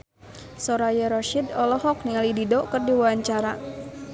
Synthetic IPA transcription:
sɔɾajɛɾɔʃidɔlɔɦɔk̚niŋalididɔkɨrdiwaaɲt͡ʃaɾa

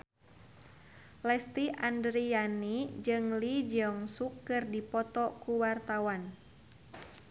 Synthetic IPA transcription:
lɛst̪iʔandɾianid͡ʒɨŋlid͡ʒɔŋsukːɨrdipɔt̪ɔkuwart̪awan

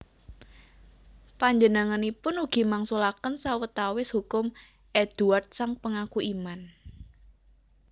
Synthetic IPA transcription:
paɲd͡ʒənəŋanipʊnuɡ̥i̤maŋsulakənsawət̪awɪshukʊm | ʔɛd̪̥uart̪̚saŋpəŋakuʔiman

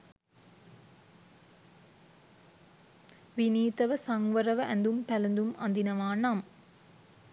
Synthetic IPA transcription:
ʋiniːt̪ɐʋəsɐŋʋɐɾɐʋɐʔænd̪umpælɐnd̪umɐ̰nd̪inɐʋaːnam

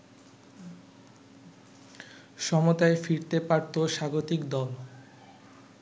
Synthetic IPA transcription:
ʃɔmot̪aefiɾt̪epaɾt̪oʃaɡot̪ikd̪ɔl

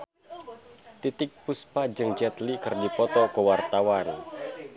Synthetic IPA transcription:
t̪it̪ɪk̚puspad͡ʒɨŋd͡ʒɛt̪likɨrdipɔt̪ɔkuwart̪awan

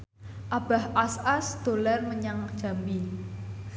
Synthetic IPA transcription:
ʔab̥a̤hʔasasd̪̥o̤larməɲaŋ̥ʒ̥a̤mbi

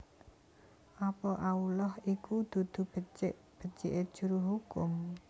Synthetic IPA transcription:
ʔapɔʔaulɔhikud̪̥ṳd̪̥ṳʔ | b̥ə̤t͡ʃḛʔed̥ʒ̥ṳɾuɦukʊm

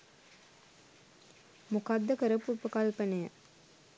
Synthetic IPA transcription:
mukad̪ːəkəɾəpuɾpəkalpənəjə

